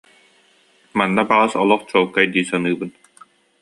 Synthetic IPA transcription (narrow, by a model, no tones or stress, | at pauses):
manːabaʁasɔlˠɔχt͡ɕɔːlˠkːajd̪iːsɔnɯːbɯn